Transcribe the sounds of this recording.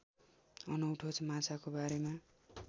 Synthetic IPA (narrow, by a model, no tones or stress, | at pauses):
ʌnʌuʈʰot͡sʰmat͡sakobaɾema